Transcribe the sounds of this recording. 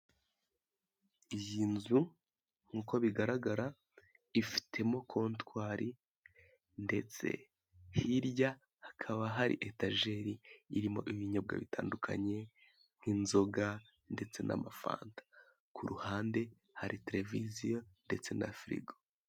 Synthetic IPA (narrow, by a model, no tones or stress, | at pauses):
ijiːnzu | ŋ̥uːko̞βiɡaɾaɡaɾa | ifi̥tʰe̞mo̞kʰo̞ːntkwaːɾʔi | nde̞t͡se̞̰ | hiɾja | hakʰaβaɦaɾḭʔetaʒe̞ɾiːɾimo̞̰ʔiβiɲob̚ɡa̰βita̰ːndukʰa̰ɲe̞ | ŋ̥hinzo̞ɡa | nde̞t͡se̞nʔa̰mafa̰ːntḁ | kuɾuhaːnde̞ | haɾite̞ɾe̞vizijonde̞t͡se̞na̰fɾḭɡo